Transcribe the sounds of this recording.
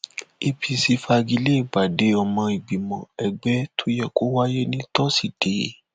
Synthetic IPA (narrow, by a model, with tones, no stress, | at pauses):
i˧pʰi˧si˧fa˧ɡi˧le˦i˨ɡ͡ba˨de˨˦ɔ˧mɔ̃˧i˨ɡ͡bi˨mɔ̃˨ɛ˧ɡ͡bɛ˦tʰo˦jɛ˦˨ko˨˦wa˦je˦nĩ˦tɔ˦si˦˨d̥e˨˦